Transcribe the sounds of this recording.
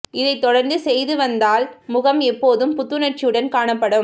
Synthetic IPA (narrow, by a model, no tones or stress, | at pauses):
ɪðɐɪt̪ːɔɽɐɾnd̪ɯsɛjðɯʋɐnd̪aːlmʊɣɐmɛpːoːðɯmpʊt̪ːɯnɐʈ̚t͡ʃɪjɯɽɐnkaːɳɐpːɐɽɯm